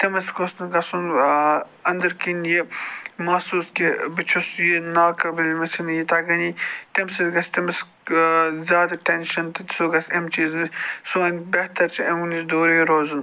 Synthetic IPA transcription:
t̪ɐmɐskosnɐɡɐsun | ɐnd̪ɐɾkinjimɐsuːskibit͡ʃʰusjinaːkɐbɐlʲmɐt͡ʃʰinjit̪ɐɡɐnit̪emsid̪ɡɐsʲt̪ɐmɐs | zʲaːd̪ɐʈenʃɐnt̪ɐt̪soɡɐsʲemt͡ʃiːzmisuɐnʲbɐht̪ɐɾt͡ʃʰɐemunisd̪oːɾɐjiɾoːzun

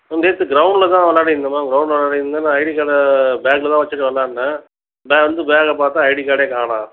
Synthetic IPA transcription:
ɐnd̪eːt̪ːɯɡɪɾɐʊɳɖlɐt̪ãːʋɐlːaːɽɐɪɾnd̪ɐmaːɡɪɾɐʊɳɖlɐʋɐlːaːɽɪɪnnanãːɐɪɽikaːɽɐbaːklɐt̪ãːʋɐt͡ʃːɯʈːɯʋɐlːaːɽɯnːɐ | beːʋɐnd̪ɯbeːɣɐpaːɾt̪ːãːɐɪɽikaːɽeːkaːɳãː

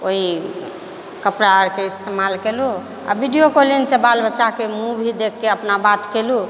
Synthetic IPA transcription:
oɦi | kəpɾaɾkeist̪emalkelu | a̰bʱiɖijokolinsẽbalbətːʃakemubʱid̪ekʰːeəpnabat̪kelu

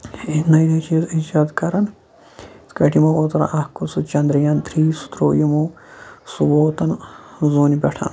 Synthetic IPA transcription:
inɐjd̪ɐt͡ʃiːzid͡ʒaːd̪kɐɾɐn | skɐʈʰimoːot̪ɾɐ̰ʔɐhkusut͡ʃɐnd̪ɾijant̪ʰɾiːsu̥t̪ɾoːjimoː | suwoːt̪ɐnzuːnibʲɐʈʰɐ̰n

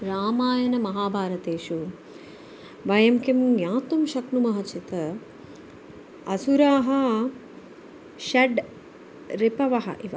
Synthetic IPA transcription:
ɾaːmaːjɐnɐmɐɦaːbʱaːɾɐt̪eːʃu | ʋɐjɐmkimjaːt̪umʃɐknumɐɦɐt͡ʃit̪ɐ | ɐsuɾaːɦɐ̆ | ʃɐɖ | ɾipɐʋɐɦɐ̰ʔiʋɐ

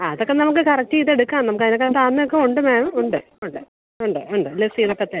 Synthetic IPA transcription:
aːɐðokːenɐmuk̬ːɨkɐrɐk̚tːɨjiðeɽukːaːnɐmukːɐinokːet̪aːnːɐjokːeuɳɖɨmaːmuɳɖɨ | uɳɖɨ | uɳɖɨuɳɖɨilːesiːðokːeɐt̪ːe

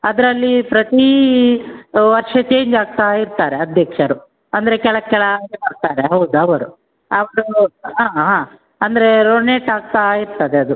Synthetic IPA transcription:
ɐd̪ɐɾɐlːipɾɐt̪i | ʋɐɾʂɐt͡ʃe̞ːɲd͡ʒaːɡ̚t̪aːiɾt̪aːɾeɐd̪ʱjɐkʂɐɾu | ɐnd̪ɐɾe̞kɛɭɐkɛɭɐɐːɡebɐɾt̪aːɾe̞ɦɐwd̪uɐʋɐɾu | ɐʋɐɾuɦãːɦãː | ɐnd̪ɐɾe̞ɾoneːʈaːɡ̚t̪aːiɾt̪ɐd̪eɐd̪u

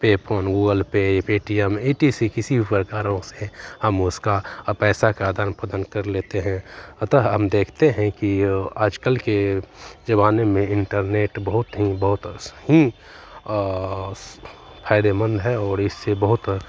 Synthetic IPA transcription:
peːpʰoːnɡuːɡəlpepeːʈiɛmeːʈisikɪsibʱipəkaːɾõsehəmʊskapɛːsakad̪ʱanpəd̪ənkɐɾleːt̪eɦɛ̃t̪əɦəmd̪eːkʰt̪eɦɛ̃kiaːd͡ʒkəlked͡ʒɐβaːnemẽɪ̃ɳʈəɾneːʈbəɦʊt̪ɦibɐɦʊt̪ɦi | pʰaːɪd̪emə̃nd̪ɦɛɔːɾɪsːebɐɦʊt̪

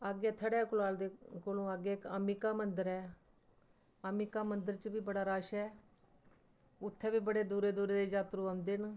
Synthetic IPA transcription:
aːɡɛːt̪ʰəɽɛːkʊlaːld̪eːkolõːaːɡɛːɪkaːmiːkaːmənd̪əɾɛː | aːmiːkaːmənd̪əɾt͡ʃbiːbəɽaːɾaːʃɛː | ʊt̪ʰːɛːbiːbəɽeːd̪uːɾeːd̪uːɾeːd̪eːd͡ʒaːt̪ɾũːãːnd̪eːn

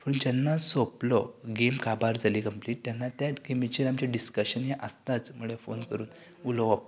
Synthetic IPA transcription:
fəund͡ʑanːasoplɔɡemkabaɾd͡zalikəmpliːʈ̚t̪janːat̪jaɡemit͡ɕiɾamt͡ɕaɖiskəɕənɦeʔəst̪at͡smuɭefonkəɾuːn | ulɔʋap̚

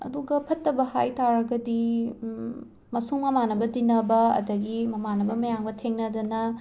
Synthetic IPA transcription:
ɐ̰duɡɐpʰɐtːɐbɐha̰jtaɾɐɡɐdi | mɐsuŋmɐmanɐbɐdinɐbɐɐ̰dɐɡimɐmanɐbɐmɐjaŋbɐtʰeŋnɐdɐnɐ

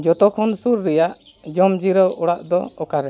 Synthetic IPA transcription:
d͡ʒɔt̪ɔkʰɔnsuɾːɛjaʔ | d͡ʒɔmd͡ʒiɾɔʔɔɽaʔd̪ɔ̰ɔkaɾɛ

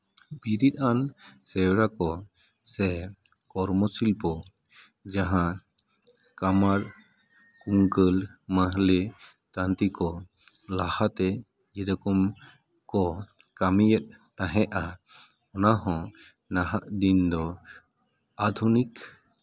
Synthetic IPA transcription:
biɾit̪̚ˀansɛwɽakɔ | sɛ | kɔɾmɔsilpɔ | d͡ʒaɦã | kamaɾ | kuŋkəlmaɦle | t̪ant̪ikɔ | lahat̪ɛ | d͡ʒɛdɔkɔm | kɔ | kamijət̪̚t̪ãɦɛʔa | ɔnaɦɔ̃ | naɦaʔd̪ind̪ɔ | ad̪ʱunik

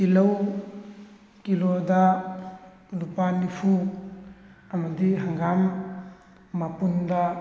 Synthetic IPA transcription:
kilɐw | kilodɐ | lupanipʰu | ɐmɐdiɦaŋɡamː | apundɐ

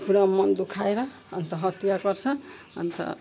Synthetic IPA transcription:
puɾamʌnd̪ukʰaeɾʌː | nt̪ʌɦʌt̪jakʌrt͡sʰʌ | ʌ̰nt̪ʌ̰

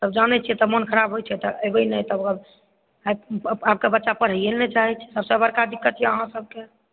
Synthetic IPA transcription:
səbd͡ʒanɛt͡ʃʰiɛt̪ɔmənkʰəɾabʱɦot͡ʃʰɛt̪ɔʔəbəjnəjt̪əbb | ab̚kebətːt͡ʃapəɾ̤ielnet͡ʃaɦɛt͡ʃʰɛ̥səbsə̃bəɾkad̪ikːət̪jɛəɦãsəb̚ke

